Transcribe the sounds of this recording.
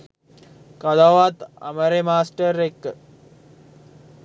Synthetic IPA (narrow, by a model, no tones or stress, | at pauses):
kad̪aʋat̪a̰məɾemaːsʈəɾekːə